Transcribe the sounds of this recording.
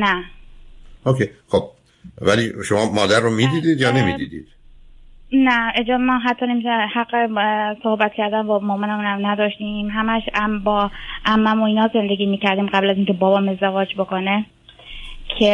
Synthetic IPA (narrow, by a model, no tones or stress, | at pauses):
næ | okʰejxob̥̚ | væliʃomɒːmɒːd̪æɾrːomiːd̪iːd̪iːd̪jɒːne̞mḭd̪ḭːd̪ḭːd̪̥ | næed͡ʒɒːmɒɦæt̪ʰːɒːnemihæɢːesohbæt̪̚kcʰæɾd̪ænbɒːmɒːmonæmunæmnæd̪ɒːʃt̪iːmɦæmæʃæmbɒːʔæmːæmoiːnɒːze̞nd̪e̞ɡʲiːmiːcʰæɾd̪iːmɢæblæziːŋcʰe̞bɒːbɒːme̞zd̪evɒːd͡ʒbokone | cʰe